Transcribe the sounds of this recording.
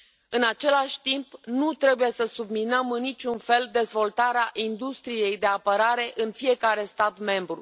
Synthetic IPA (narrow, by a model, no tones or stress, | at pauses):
ɨnat͡ʃe̞laʃʲt̪impnut̪ɾe̞buje̞səsubminəmɨnːit͡ʃʲunfe̞ld̪e̞zvo̞lt̪aɾeaʔind̪ust̪ɾije̞jd̪e̞apəɾaɾe̞ʔɨnfije̞kaɾe̞st̪at̪me̞mbɾu